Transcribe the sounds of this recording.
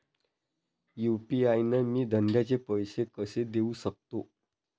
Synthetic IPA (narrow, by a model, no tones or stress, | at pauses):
jupiajnəmiːd̪ʱəɳɖjat͡sepəjsekəsed̪eusək̚t̪o